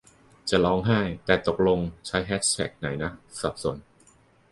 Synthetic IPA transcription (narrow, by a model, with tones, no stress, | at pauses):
t͡ɕa˨˩lɔː˦˥ŋɦa˥˩jt̪ɛː˨˩t̪o˨˩k̚lo˧ŋt͡ɕʰa˦˥jɦɛː˦˥t̪ʰɛ̰˨˩k̚na˩˦jna˦˥sa˨˩p̚su˨˩˦n